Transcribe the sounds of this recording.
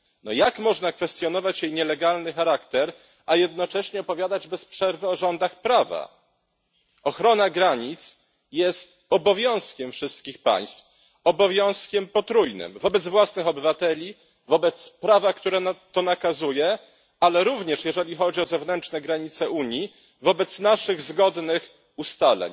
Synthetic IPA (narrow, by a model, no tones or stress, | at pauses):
nɔjakmɔʐnakfɛst̪jɔn̪ɔvat͡ɕjejɲɛlɛɡalnɘxaɾakt̪ɛɾ | ʔajɛd̪nɔt͡ʂɛɕɲɛɔpɔvʲjad̪ad͡ʑbɛspʂɛɾvɘɔʐɔnd̪axpɾava̰ | ɔxɾɔnaɡɾaɲit̪s | jɛst̪ | ɔbɔvʲjɔ̃w̃skʲɛmfʂɘst̪kʲixpa̰j̃st̪f | ɔbɔvʲjɔ̃w̃skʲɛmpɔt̪ɾujnɘ̰mvɔbɛd̪zvwasnɘxɔbɘvat̪ɛlʲi | vɔbɛt̪spɾavakt̪uɾɛt̪ɔnakazujɛ | alɛɾuvɲɛʂjɛʐɛlʲixɔd͡ʑiɔzɛvnɛnt͡ʂnɛɡɾaɲit̪sɛʔuɲji | vɔbɛt̪snaʂɘɣzɡɔd̪nɘx | ust̪alɛ̰ɲ